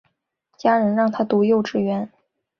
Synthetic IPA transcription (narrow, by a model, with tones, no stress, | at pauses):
t͡ɕja˥ɻə˧˥nɻɑ˥˩ŋt̪ʰa˥t̪u˧˥jo˥˧ʊʈ͡ʂɻ̩˥˩ɥɛ˧˥n